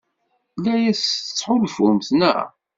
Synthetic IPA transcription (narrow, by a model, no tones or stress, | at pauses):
læjæsət͡sːħʊlfumθnæ̰